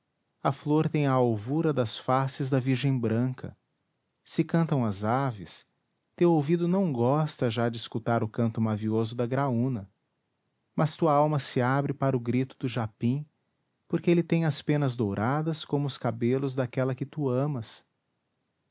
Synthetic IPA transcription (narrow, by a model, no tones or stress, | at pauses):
ɐfloɾt̪ẽj̃ɐawvuɾɐd̪ɐsfasɪzd̪ɐviɾʒẽj̃bɾɐ̃kʰɐ̰ | sɪkɐ̃nt̪ɐ̃w̃ɐzavɪs | t̪ewowvid̪ʊnɐ̃w̃ɡɔst̪ɐʒad͡ʒɪːskut̪aɾʊkɐ̃nt̪ʊmaviozʊd̪ɐɡɾaũnɐ | mɐst̪uɐawmɐsɪabɾɪpaɾʊɡɾit̪ʊd̪ʊʒapĩ | poɾkɪelɪt̪ẽj̃ɐspẽnɐzd̪owɾʔad̪ɐskõmʊʊskabelʊzd̪akɛlɐkɪt̪uɐ̃mɐs